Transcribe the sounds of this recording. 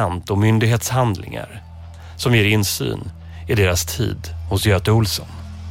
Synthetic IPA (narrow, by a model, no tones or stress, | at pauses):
ant̪ɔmʏnd̪ɪɡɦeːt̪shand̪lɪ̰ŋa̰ɾ | sɔmjeːɾɪnsy̰ːn | ɪd̪eːɾast̪ʰḭːd̪hʊsjøːt̪əʊlsə̰n